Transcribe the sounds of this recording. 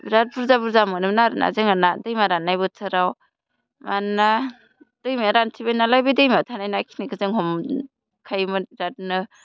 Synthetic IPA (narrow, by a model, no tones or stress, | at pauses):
ɾat̚buɾzabuɾzamɯnɯmnaɾna̰zɯŋanadɯjmaɾanːajbɯtʰɯɾaw | mana | d̥ɯjmiɾantʰibajnalajbɯdɯjmiawtʰanajnakʰi̥niɡɯzɯŋɦɔm | kʰajmɯɾat̚nɯ